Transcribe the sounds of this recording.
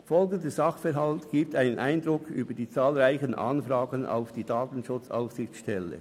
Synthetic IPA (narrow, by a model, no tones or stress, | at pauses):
fɔlɡəndəzɑχfɛɾɦɑltɡ̥iːp̚taɪnənʔaɪndɾʊkʰyːbəd̥iːt͡sɑːlʁaɪçənʔɑ̰nfɾɑːɡəna̰ʊfd̥iːdaːtn̩ʃʊt͡sa̰ʊfsɪxt͡sʃtɛlːə̰